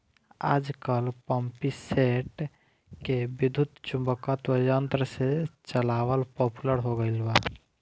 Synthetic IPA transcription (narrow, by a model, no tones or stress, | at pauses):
a̰d͡ʒkəlpəmpiseʈ | kebid̪ʱut̪t͡ʃũmbəkət̪wəjənt̪ɾəset͡ʃəlawəlpɔpuləɾɦoɡəɪlba